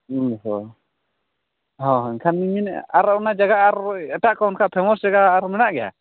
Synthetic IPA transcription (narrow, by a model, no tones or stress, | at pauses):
ɦɔ | ɦɔnkʰanmiminaɾaʔɔnad͡ʒaɡaʔːɾɛʈaʔkɔɔnkʰaʔpʰɛmɔsd͡ʒaɡaːɾmɛnaʔɡɛja̰